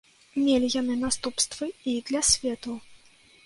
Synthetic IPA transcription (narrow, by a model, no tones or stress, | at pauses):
mʲelʲijanɨnast̪upst̪vɨid̪lʲasʲvʲɛt̪u